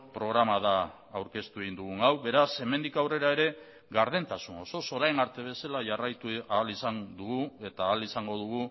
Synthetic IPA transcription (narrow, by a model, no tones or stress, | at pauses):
pɾo̞ɣ̞ɾamaðaː | wɾke̞st̪ueɣind̪uɣuŋawβe̞ɾase̞mend̪ikawre̞ɾaeɾe̞ | ɣaɾðent̪asuno̞so̞so̞ɾajnaɾt̪e̞β̞e̞salaʝarajt̪ualisand̪uɣue̞t̪aːlisaŋɡo̞ðuɣ̞u